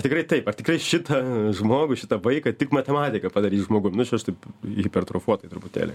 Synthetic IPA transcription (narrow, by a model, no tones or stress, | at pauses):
ɐt̪ʲɪkɾɐɪt̪ɐɪpɐrt̪ʲɪkɾɐɪʃʲɪt̪ɐʒmoːɡʊʃʲɪt̪ɐʋɐɪkɐt̪ʲɪkmɐt̪ʲɛmɑːt̪ʲɪkɐpɑːd̪ɐɾʲiːsʒmoːɡʊmnʊt͡ʃʲɐʃt̪ɐɪpɣʲɪpʲɛrt̪ɾoːfuɔt̪ɐɪt̪ɾʊpʊt̪ʲḛːlʲɛ̰